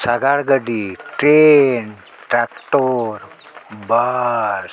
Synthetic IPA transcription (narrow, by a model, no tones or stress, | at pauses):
saɡaɭɡəɖiʈɾen | ʈɾakʈoɾ | baɾ